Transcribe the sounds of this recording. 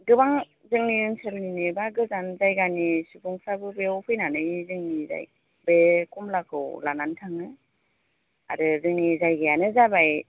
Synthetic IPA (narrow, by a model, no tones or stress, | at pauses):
ɡɯbaŋ | zɯŋniɯnselninebaɡɯzanzajɡanisubʰuŋsabɯbeɔwpʰɯjnanɯjzɯŋniza̰j | bekumlakʰɯwlanantʰaŋɯ | a̰ɾɯzɯŋnizajɡɯjanɯzabaj